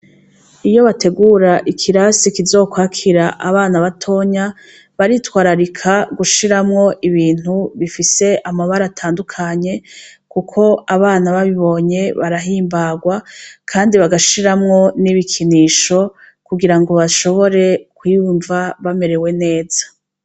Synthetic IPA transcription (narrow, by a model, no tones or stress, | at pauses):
ijo̞βate̞ɡuɾaʔikʰiɾasikizo̞ːkwaːkʰiɾaʔa̰βaːnaβatʰo̞ɲa | βaɾitwaːɾaɾikʰaɡuʃiɾamŋo̞ʔiβiːn̥uβifise̞ʔamaβaɾaːtʰaːndukʰaɲe̞kukʰo̞aβaːnaβaβiβo̞ɲe̞βaɾaɦiːmbaɡwakʰaːndiβaɡaʃiɾamŋo̞niβikʰiniːʃo̞ | kuɡiɾaŋɡo̞βaʃo̞βo̞ɾe̞kwiːjuɱvaβame̞ɾe̞we̞ne̞ːzḁ